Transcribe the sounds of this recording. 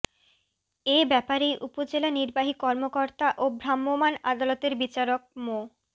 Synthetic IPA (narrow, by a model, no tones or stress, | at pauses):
ebɛpaɾejʔupod͡ʑelaniɾbaɦikɔɾmokoɾt̪aʔobɾamːomana̰d̪alot̪eɾbit͡ɕaɾok̚mo